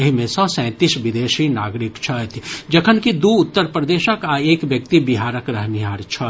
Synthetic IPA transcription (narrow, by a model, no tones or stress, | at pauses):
ɐɦimẽsɔ̃ːsɛ̃ːt̪iʃʋɪd̪eːʃinaːɡɾɪkt͡ʃʰət̪ʰd͡ʒɐkʰənkid̪uːʊt̪ːəɾpɾəd̪eːʃəkaːeːkʋjək̚t̪ibɪɦaːɾəkɾɐɦmiɦaːɾt͡ʃʰə